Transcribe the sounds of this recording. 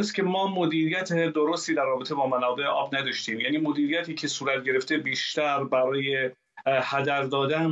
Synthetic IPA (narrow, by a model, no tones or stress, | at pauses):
st̪cʰʲe̞mɒːmod̪iːɾijæt̪ʰed̪oɾost̪iːd̪ærːɒːbet̪e̞bɒːmænɒːbe̞ʔeʔɒːbnæd̪ɒʃt̪iːmjæːniːmod̪iːɾijæt̪ʰiːcʰe̞suːɾæt̪̚ʰɟeɾe̞ft̪e̞biːʃt̪æɾbæɾɒːje | hæd̪æɾd̪ɒːd̪æn